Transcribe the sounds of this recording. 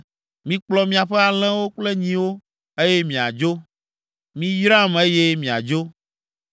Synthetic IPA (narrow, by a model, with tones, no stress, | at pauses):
mĩ˦k͡plɔ˨mĩ˦a˨ɸɛ˦a˨l̃ɛ̃˦wo˦k͡ple˦ɲĩ˦wo˦ | e˦je˦mĩ˨a̰˨d͡ʒo˦ | mĩ˦jɾa˦˨me˦je˦mĩ˨a̰˨d͡ʒo˦